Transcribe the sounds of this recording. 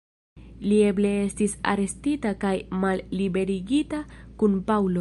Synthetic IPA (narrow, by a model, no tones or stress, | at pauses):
lie̞ble̞e̞stisa̰ɾe̞stitakajmalːibe̞ɾiɡitakunpawlo̞